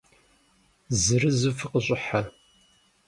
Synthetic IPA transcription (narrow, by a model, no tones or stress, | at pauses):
zɨɾɨzɨfɨqəɕʼɪħa